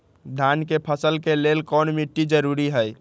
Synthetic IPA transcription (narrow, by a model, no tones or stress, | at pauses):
d̪ʱankepʰəsəlkelelkɔnmiʈːid͡ʒəɾuɾiɦəj